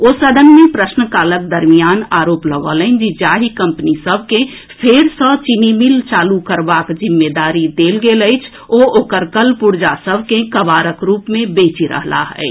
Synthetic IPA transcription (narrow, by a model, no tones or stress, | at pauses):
oːsəd̪ʱənmepɾəsnəkaːlək̚d̪əɾmijaːnaːɾoːpləɡələnd͡ʒid͡ʒaːɦikə̃mpnisəbʱkẽ | pʰeɾsɔt͡ʃinimilt͡ʃaːlukəɾbakd͡ʒimːed̪aːɾid̪elɡeləɪt͡ʃʰ | ooːkəɾkəlpuɾd͡ʒasəbʱkekəbaːɾəkɾuːpmẽbeːt͡ʃiɾə̰ɦla̰ɦɛ̰ɪ